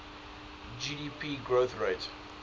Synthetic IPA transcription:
d͡ʒidipʰiɡɹoθɹeɪt

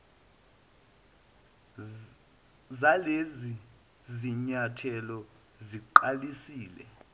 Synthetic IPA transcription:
zalezi | ziɲatʰɛlɔ | ziǃalisiːlɛ̰

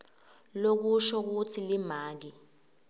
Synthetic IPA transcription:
lok̬uʃɔk̬utʰilim̤aːk̬i

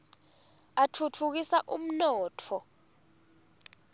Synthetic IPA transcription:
atʰutʰuk̬isaʔṵm̩nɔːtʰɔ

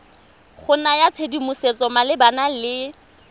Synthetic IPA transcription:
χʊnajat͡sʰedimʊset͡sɔmalɪbanalɪ

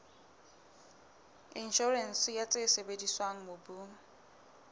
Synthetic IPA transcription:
inʃɔrɛn̩sjat͡sʼesebediswaŋ̩mobu

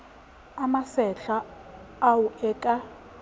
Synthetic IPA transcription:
amasɛɬaː | wuʔɛkʼa

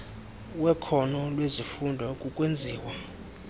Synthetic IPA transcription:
wɛkʰɔnɔlwezifundʱwakʼukʼwend͡zʱiːwa

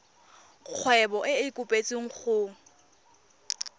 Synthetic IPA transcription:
k͡xʰwɛbɔʔɪɪkʼʊpʼet͡sʼiŋ̩χʰʊŋ̩

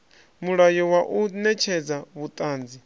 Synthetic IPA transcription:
muɺajɔwaʔunɛt͡ʃʰɛd͡zaβut̪ʼaːnd͡zi

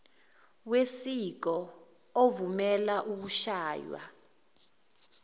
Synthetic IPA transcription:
wesik̬ɔ | ovumɛlaʔuk̬uʃaːjwa̰

